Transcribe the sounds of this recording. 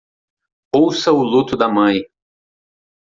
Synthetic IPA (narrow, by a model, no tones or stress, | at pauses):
owsɐʊlut̪ʊd̪ɐmɐ̃j̃